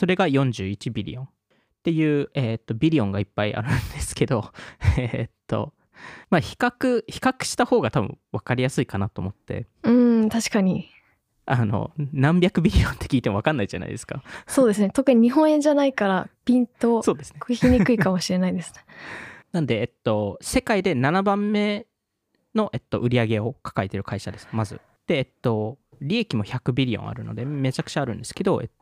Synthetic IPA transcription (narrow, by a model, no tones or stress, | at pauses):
so̞ɾe̞ɡajõ̞ɲ̟d͡ʑɨːit͡ɕibʲiɾʲḭõ̞n | t̪e̞jɯ̟ːet̪ːo̞bʲiɾʲiõ̞ŋɡaipːaiʔa̰ɾɯ̟̃nd̪e̞sɨ̥ke̞d̪o̞et̪ːo̞̰ | maçi̥kakɯ̟çi̥kakɯ̟̥ɕi̥t̪aho̞ːɡat̪abɯ̟̰̃βakaɾʲijasɨikanat̪o̞ːmo̞t̪ːe̞̰ɯ̟̃t̪aɕi̥kaɲ̟i | ano̞̰nãmbʲjakɯ̟bʲiɾʲiõ̞nt̪ːe̞kʲiːt̪e̞mo̞akanːaid͡ʑa̰na̰id̪e̞sɨ̥ka̰so̞ːd̪e̞sɨne̞t̪o̞kɯ̟ɲ̟iɲ̟iɦõ̞ɰ̃ẽ̞ɲd͡ʑanaikaɾapʲĩnt̪o̞so̞ːd̪e̞sɨ̥nekçʲiɲʲikɯ̟ikamo̞ɕiɾe̞naid̪e̞sɨ̥nenãnd̪e̞ːt̪ːo̞se̞kaid̪e̞nanabãmːe̞ | no̞ʔe̞t̪ːo̞ʔɯ̟ɾʲiaɡe̞o̞kḁkaet̪e̞ɾɯ̟kaiɕad̪e̞sɨ̥mazɨ̰ | d̪̥e̞ːt̪ːo̞ | ɾʲie̞kʲimo̞çakɯ̟bʲiɾʲiõ̰a̰ɾɯ̟no̞̰d̪e̞me̞t͡ɕakɯ̟̥t͡ɕaːɾɯ̟̃nd̪e̞sɨ̥ke̞d̪o̞ḛt̪ːo